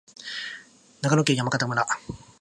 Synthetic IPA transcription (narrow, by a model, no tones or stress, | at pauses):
naɡanokʲejamakat̪amɯna